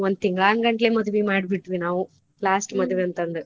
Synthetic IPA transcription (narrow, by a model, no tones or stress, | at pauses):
ond̪̚t̪iŋɡɭaːŋɡɐɳʈleːmɐd̪uʋimaːɽbiʈːʋinaːʋu | laːsʈmɐd̪ʋeɐnt̪ɐnd̪ɨ